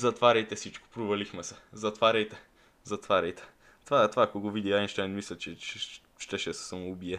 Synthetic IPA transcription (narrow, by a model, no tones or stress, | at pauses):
zɐt̪vaɾʲɐjt̪ɛsit͡ʃko̥pɾovɐlixmɛsɛzɐt̪vaɾʲɐjt̪ɛ | zɐt̪vaɾʲɐjt̪ɛ̥ | t̪vat̪ovakoɡovid̪iainʃt̪ajnmislʲɛt͡ʃɛt͡ʃɛ | ʃt̪ɛʃɛsɛ̥sɐmʊːbiɛ